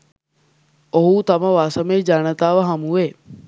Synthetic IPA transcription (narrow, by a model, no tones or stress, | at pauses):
oɦut̪ɐməʋasəmeːd͡ʒanət̪aːʋəɦɐmuʋeː